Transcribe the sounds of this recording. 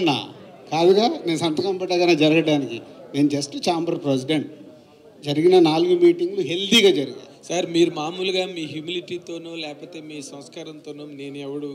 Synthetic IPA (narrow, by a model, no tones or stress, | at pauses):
nːa̰ːkaːd̪uɡaːne̞ːnusɐnt̪ɐkɐmpɐʈːaɡɐneːd͡ʒɐɾɐɡɐɽaːnikine̞ːnud͡ʒɐsʈt͡ʃaːmbɐɾpɾes̬iɖeɳʈ | d͡ʒɐɾiɡinɐnaːluɡumiːʈiŋɡluɦe̞ld̪iɡaːd͡ʒɐɾiɡa̰ | saɾmiːɾumaːmuluɡaːmiːɦjumiliʈiːt̪o̞ːnulɛːɐpoːt̪e̞ːmiːsɐ̃mskaːɾɐmt̪oːnuːne̞ːnuɛʋɐɽu